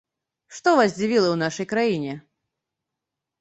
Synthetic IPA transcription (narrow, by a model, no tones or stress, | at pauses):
ʂt̪ɔvazʲd͡zʲivʲilˠɐwnaʂɐjkɾajinʲɛ